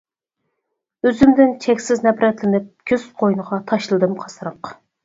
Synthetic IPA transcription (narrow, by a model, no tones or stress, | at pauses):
øzymd̪ɪnt͡ʃʰɛkʲsɪznɛpɾɛt̪lɪnɪp̚kʲʰøz̥qʰojnəʁɑt̪ʰɑʃlˠɨd̪ɨmqʰɑ̥sɨɾəq